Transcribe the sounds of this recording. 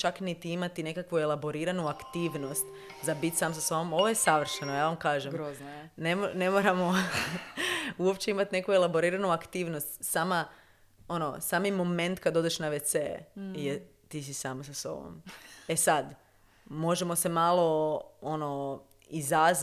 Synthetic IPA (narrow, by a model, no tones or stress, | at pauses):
t͡ʃaknit̪iimat̪ine̞kakʋue̞lˠabo̞ɾiːɾanuakt̪iːʋno̞st̪ | zabit̪ʲsaːmsaso̞bomo̞ʋoje̞saʋr̩ʃenojaːʋamkaːʒemɾonemone̞moːɾamo | uopt͡ɕe̞imat̪ne̞kuelˠabo̞ɾiːɾanuakt̪iːʋnost̪sama | o̞nosaːmimo̞mẽ̞nt̪kad̪o̞d̪eʃnaʋet̪sḛjet̪iːs̬isaːmsaso̰bo̰me̞sad̪ | mo̞ʒe̞mo̞se̞malˠo̞o̞no | izaz